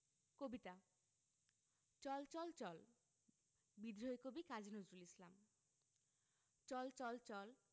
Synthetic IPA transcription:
kobit̪a | t͡ʃɔlt͡ʃɔlt͡ʃɔl | bid̪ɾoekobikad͡ʑinozɾulislam | t͡ʃɔlt͡ʃɔlt͡ʃɔl

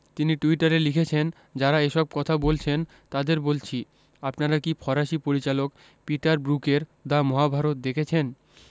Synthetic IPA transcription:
t̪iniʈuiʈaɾelikʰet͡ɕʰen | d͡ʑaɾaeʃɔb̚kɔt̪ʰabolt͡ɕʰen | t̪ad̪eɾbolt͡ɕʰi | apnaɾakipʰɔɾaʃipoɾit͡ɕalok | piʈaɾbɾukeɾd̪amɔɦabʱaɾot̪̚d̪ekʰet͡ɕʰen

